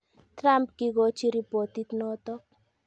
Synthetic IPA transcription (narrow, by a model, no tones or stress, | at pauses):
t̪ɾampkiɡot͡ʃiɾipot̪it̪nɔt̪ɔk̚